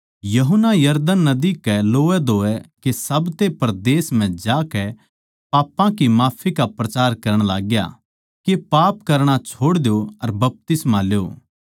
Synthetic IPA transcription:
jɐɦʊnːajɐɾd̪ənːɐd̪ikɛloːɛd̪oːɛkesɐbt̪epɐɾd̪eːsm̤ɛ̃d͡ʒaːkɛ | paːpãkimaːpʰikapɾɐt͡ʃaːɾkɐɾəɽ̃laːɡja̰ | kepaːpkɐɾɽ̃at͡ʃʰoːɽd̪ejoɐɾbɐp̚t̪ɪsmãlejo̰ː

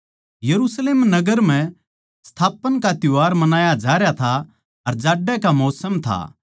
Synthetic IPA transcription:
jɐɾusleːmnɐɡəɾm̤ɛ̃ | st̪ʰaːpənkat̪ʊaːɾmɐnaːjad͡ʒaːɾjat̪ʰa | ɐɾd͡ʒaːɖːɛkamɔːsəmt̪ʰa̰

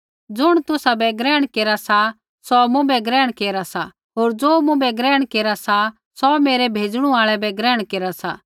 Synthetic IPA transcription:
d͡zʊɽ̃t̪ʊsabɛɡɾɛːɽ̃keːɾasa | sɔmũbɛɡɾɛːɽ̃keːɾasa | ɦoːɾd͡zoːmũbɛɡɾɛːɽ̃keːɾasa | sɔmeːɾɛbʱeːd͡zɽ̃ũaːɭɛbɛɡɾɛːɽ̃keːɾasa̰ː

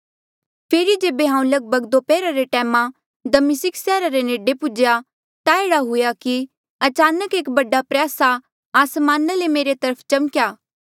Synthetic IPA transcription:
pʰeːɾid͡ʒeːbeɦãːũlɐɡ̚bʱəɡd̪opɛːɾaɾeʈɛːmã | d̪ɐmɪsɪksɛːɾaɾeneːɖepʊd͡ʒja | t̪aeːɽaɦʊjaki | ɐt͡ʃaːnəkeːkbɐɖapɾjaːsaː | smaːnalemeːɾet̪ɐɾəpʰt͡ʃɐmkjaː

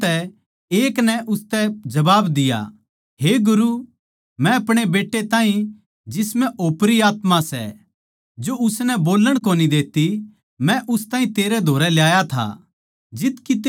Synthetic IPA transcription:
ɛ | eːknɛʔʊst̪ɛd͡ʒɐbaːbd̪ɪja̰ | ɦeːɡʊɾu | mɛ̃ɐpɽ̃ebeːʈːet̪ãːĩ | d͡ʒɪsmɛ̃ʔoːpɾiaːt̪masɛ̰ | d͡ʒoʊsnɛboːləɽ̃koːnid̪eːt̪i | mɛ̃ʔʊst̪aːĩt̪eːɾɛd̪ʱoːɾɛljaːjat̪ʰa̰ | d͡ʒɪt̪kit̪

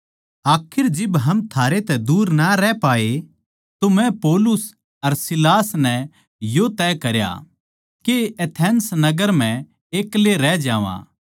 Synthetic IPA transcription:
aːkʰɪɾd͡ʒɪbɦɐmt̪ʰaːɾet̪ɛd̪uːɾnɐɾɛpaːe | t̪omɛ̃poːlʊs | ɐɾsɪlaːsnɛ | jot̪ɛːkɐɾja̰ | keet̪ʰɛnsnɐɡəɾm̤ɛ̃ | eːkleɾɛd͡ʒaːʋã̰ː

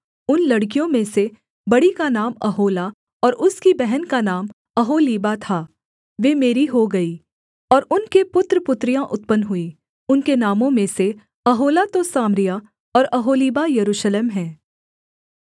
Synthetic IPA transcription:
ʊnlɐɽk̬ijõmẽse | bɐɽikanaːmɐɦoːla | ɔːɾʊskibɛɦɛnkanaːm | ɐɦoːliːbat̪ʰaː | ʋeːmeːɾiɦoɡɐiː | ɔːɾʊnkepʊt̪ɾəpʊt̪ɾijãʔʊt̪pənɦʊiː | ʊnkenaːmõmẽse | ɐɦoːlat̪osaːmɾija | ɔːɾɐɦoːliːbajɐɾuːʃleːmɦɛ̃ː

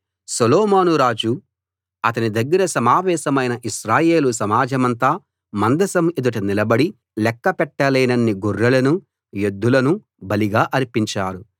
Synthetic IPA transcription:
sɐlɔːmaːnuɾaːd͡ʒu | ɐt̪ɐnid̪ɐɡːɐɾɐsɐmaːʋɛːʃɐmɐjnɐʔiʃɾaːje̞ːlusɐmaːd͡ʒɐmɐnt̪aː | mɐnd̪ɐsɐmid̪uʈɐnilɐbɐɽi | lɛkːɐpɛʈːɐlɐjnɐnːiɡorːɐlɐnu | jod̪ʱːulɐnu | bɐliɡaːʔɐɾpiɲt͡ʃaːɾu

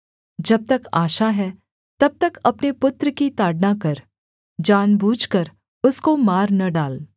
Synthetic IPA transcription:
d͡ʒɐb̚t̪ɐkaːʃaɦɛ | t̪ɐb̚t̪ɐkɐpnepʊt̪ɾəkit̪aːɖnakɐɾ | d͡ʒaːnbuːd͡ʒkɐɾ | ʊskomaːɾnɐɖaːl

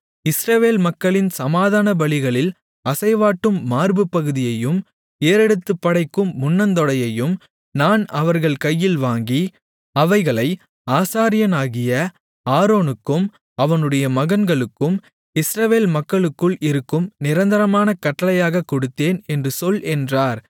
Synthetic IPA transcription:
ɪsɾɐʋeːlmɐkːɐɭɪnsɐmaːðaːnɐbɐɭɪɣɐɭɪl | ɐsɐɪʋaːʈːɯmːaːɾbɯpːɐɣɯðɪjɐjɯm | eːɾɛɽɯt̪ːɯpːɐɽɐɪkːɯmːʊnːɐnd̪ɔɽɐjɐjɯm | naːnɐʋɐɾɣɐɭkɐjːɪlʋaːŋɡi | ɐʋɐɪɣɐɭɐɪ | aːsaːɾɪjɐnaːɣɪjɐ | aːɾoːnɯkːɯm | ɐʋɐnɯɽɐjɐmɐɣɐnɡɐɭɯkːɯm | ɪsɾɐʋeːlmɐkːɐɭɯkːɯɭɪɾɯkːɯmnɪɾɐnd̪ɐɾɐmaːnɐkɐʈːɐlɐjaːɣɐkːɔɽɯt̪ːeːnɛndrɯsɔlʔɛndraːɾ

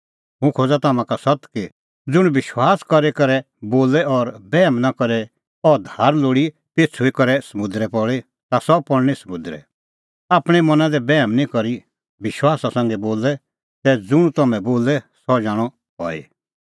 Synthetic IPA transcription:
ɦũkʰoːd͡zat̪aːmãkasɔt̪ki | d͡zʊɽ̃bɪʃwaːskɔɾɛkɐɾɛ | boːlɛɔɾbɛːmnakɔɾɛ | ɔd̪ʱaːɾloːɽi | t̪eːt͡sʰuikɔɾɛsɐmʊ̃d̪ɾɛpɔɭe | t̪asɔpɔɽñisəmʊd̪ɾɛ̰ | aːpɽ̃ɛmɐnãd̪ɛbɛːmnĩkɔɾi | bɪʃwaːsasãŋɡɛboːlɛ | t̪ɛd͡zʊɽ̃ut̪ɐmɛ̃boːlɛsɔd͡ʒaːɽ̃ɔ | ɦɔ̰ːḛ

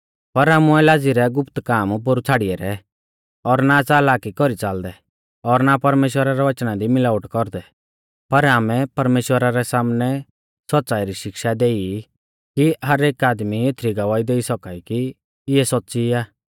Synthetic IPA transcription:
pɐɾaːmuɛlaːd͡ziɾɛɡʊpt̪kaːmp̬ʊɾut͡sʰaːɽiɛɾɛ | ɔɾnat͡saːlaːkikɔɾit͡saːld̪ɛ | ɔɾnapɐɾmeːʃwəɾaɾɛʋɐt͡ʃnad̪imɪlaːʊʈkɔɾd̪ɛ | pɐɾaːmɛpɐɾmeːʃwəɾaɾɛsaːmnɛ | sɔtːt͡saːiɾiʃɪkʃad̪eːi | kiɦɐɾeːkaːd̪miet̪ʰɾiɡɐʋaːid̪eːisɔkaːiki | ɪɛsɔtːsiaː

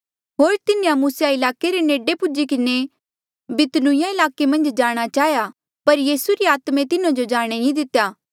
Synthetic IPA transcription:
ɦoːɾt̪ɪnejãmuːsjaɪlaːkeɾeneːɖepʊd͡ʒikɪne | bɪt̪nʊ̃jãɪlaːkemɐ̃nd͡ʒd͡ʒaːɽ̃at͡ʃaːja | pɐɾjiːsuɾiaːt̪mẽt̪ɪnãd͡ʒod͡ʒaːɽ̃ejĩd̪ɪt̪ːejaː

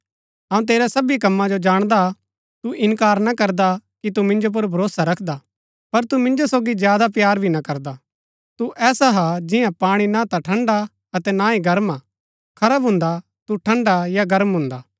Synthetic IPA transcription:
ɐũt̪̬eːɾasɐbikɐmːãd͡ʒod͡ʒaːɽ̃d̪a | t̪uʔɪnkaːɾnakɐɾd̪akit̪̬umɪ̃nd͡ʒop̬ʊɾbʱɐɾoːsaɾɐkʰd̪a | pɐɾt̪umɪ̃nd͡ʒosoːɡizjaːd̪apjaːɾbʱinakɐɾd̪a | t̪uʔʔɛːsaɦad͡ʒɪjãpaːɽ̃inãt̪aʈʰɐ̃ɳɖa | ɐt̪ɛnãːiɡɐɾmaː | kʰɐɾaːbɦʊ̃nd̪a | t̪uʈʰɐ̃ɳɖajaɡɐɾmɦʊ̃nd̪aː

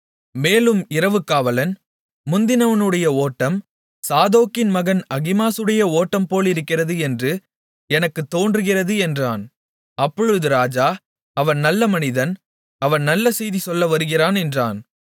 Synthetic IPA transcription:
meːlɯmɪɾɐʋɯkːaːʋɐlɐnː | ʊnd̪ɪnɐʋɐnɯɽɐjɐoːʈːɐm | saːðoːkɪnmɐɣɐnɐɣɪmaːsɯɽɐjɐoːʈːɐmpoːlɪɾɯkːɪrɐðɯɛndrɯ | ɛnɐkːɯt̪ːoːndrɯɣɪrɐðɯɛndraːn | ɐpːɔɻɯðɯɾaːd͡ʒaː | ɐʋɐnnɐlːɐmɐnɪðɐn | ɐʋɐnnɐlːɐsɛjðisɔlːɐʋɐɾɯɣɪɾaːnɛndra̰ːn

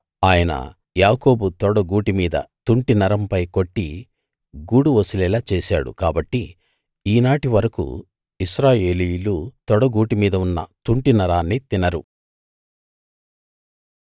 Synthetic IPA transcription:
aːjɐnɐ̰ | jaːko̞ːbut̪ɔɽɐɡuːʈimiːd̪ɐ̰t̪uɳʈinɐɾɐmpɐjko̞ʈːi | ɡuːɽuʋɐsilɛːlat͡ʃeːsa̰ːɽṵkaːbɐʈːi | iːnaːʈiʋɐɾɐkṵ | isɾaːjeːlijulut̪ɔɽɐɡuːʈimiːd̪ɐunːɐ̰t̪uɳʈinɐɾaːnːit̪inɐɾṵ

